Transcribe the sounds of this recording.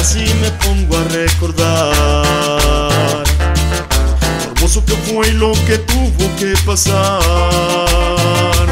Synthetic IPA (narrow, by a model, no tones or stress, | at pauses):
simepõŋɡwarekoɾða | ɾ | oɾmosokefojloket̪uβokepasa | ɾ